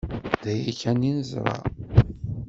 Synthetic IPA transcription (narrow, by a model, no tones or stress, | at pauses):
d̪æjiçæninəzɾˤɑ̰